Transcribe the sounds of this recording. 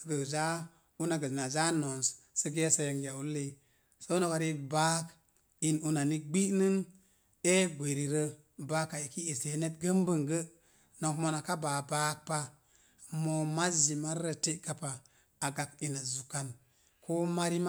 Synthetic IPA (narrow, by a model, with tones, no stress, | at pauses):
ɡə˨za˦ | u˦na˨ɡə˨na˨za˦no˨ns | sə˦ɡe˦sa˦ja˨ŋɡa˨u˦lːe˨ | so˦u˦no˦˨ka˨ɾi˦ba˦k | i˨nu˦na˨ni˦ɡ͡bi˦nɨ˦ŋ | e˦ɡʷe˨ɾi˨ɾə˦ | ba˦ka˨i˨ki˦e˨se˨˦ne˦tɡə˦mbə˦˨ŋɡə˦ | no˨kmo˧˨na˨ka˦ba˨ba˦k̚pa˦ | mo˨ma˦zi˨ma˦ɾɾə˨te˦ka˦pa˨ | a˨ɡa˨ki˨na˨zu˨ka˦˨n | ko˦ma˦ɾi˦m˦